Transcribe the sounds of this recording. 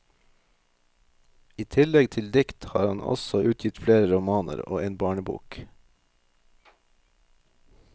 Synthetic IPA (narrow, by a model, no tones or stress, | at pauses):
iːt̪ʰɪlɛɡt̪ʰɪld̪ɪkt̪hɑ̰ːɾɑnʔɔ̰sɔʔʉːt̪ʰjɪt̪fleːɾəɾʊmɑːnə̰ɾo̰ːeːnbɑːɳəbṵːk